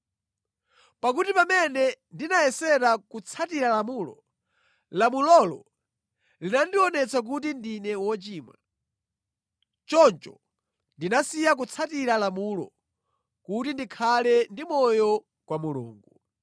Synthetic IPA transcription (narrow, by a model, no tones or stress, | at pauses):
pak̬utipamɛnɛndinajɛsɛɾakut͡sʰatiɾalamulɔ̰ | lamulɔlɔ | linandiɔnɛt͡sʰak̬ut̬indinɛwɔt͡ʃiːmwa̰ | t͡ʃɔnt͡ʃɔ̰ | ndinasijak̬ut͡sʰatiɾalamulɔ̰ | kutindikʰalɛndimɔjɔ | kwamulṵːŋɡu